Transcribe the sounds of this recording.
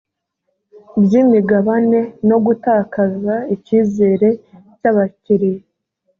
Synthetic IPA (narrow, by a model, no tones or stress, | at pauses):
bjiːmiɡaβane̞no̞ɡutaːkazaiciːze̞ːɾe̞ | caβaciɾije